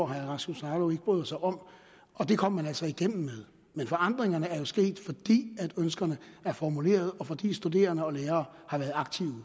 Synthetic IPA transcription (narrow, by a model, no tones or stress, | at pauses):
ɒɦæʁɑsusɑ̈ːloe̝ɡ̥əb̥ʁø̰ːð̩ˠsɑ̈ɪʔɒ̽m̰ | ɒ̽d̥e̝kʰɒ̽m̰ːænæl̰sɒ̽iɡ̥em̰m̩með̞ˠ | menfɒ̽ɑ̈n̰d̥ʁeŋɐnəæɐjo̝sɡ̥e̝̰ːd̥fɒ̽d̥ḭːæd̥ønsɡ̥ɐnəæɐfɒmule̝̰ːɐð̞ˠɒ̽fɒ̽d̥ḭːsd̥ud̥e̝̰ːɐnəɒ̽leːɐːhɑ̈ʋæːɐðˠɑ̈ɡ̥t͡sʰiʊ